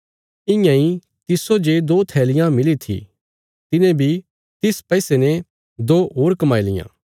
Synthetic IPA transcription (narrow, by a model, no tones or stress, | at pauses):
ɪ̃jãĩ | t̪ɪsod͡ʒed̪oːt̪ʰɛːlɪjãmɪlit̪ʰḭ | t̪ɪnẽbʱi | t̪ɪspɛːsene | d̪oːoːɾkɐmaːilɪ̰jã̰ː